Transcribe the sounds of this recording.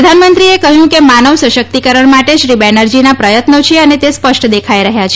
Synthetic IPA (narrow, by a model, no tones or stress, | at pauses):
əd̪ʱanmənt̪ɾiekəɦjũkemanəʋsəʃək̚t̪ikəɾəɳmaʈeʃɾibɛnəɾd͡ʒinapɾəjət̪not͡ʃʰeənet̪espəʃʈd̪ekʰajɾəɦjat͡ʃʰ